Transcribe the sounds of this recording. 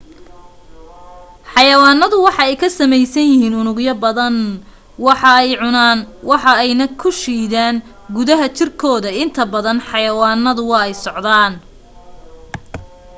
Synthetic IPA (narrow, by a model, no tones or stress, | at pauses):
ħɑjɐwɑːnːɐðʊwɑħɑɛjkʰɐsɐmɛjsɐnjɪhiːnʊnʊɡjɐbɐðɐn | wɑħɑɛjʕʊnaːnwɑħɑɛjnɐkʰʊʃiːðaːn | ɡʊðɐɦɐt͡ʃɪrkʰɔːðɐɪnt̪ʰɐbɐðɐnħɑjɐwɑːnːɐðʊwɑɛjsɔʕd̪aːn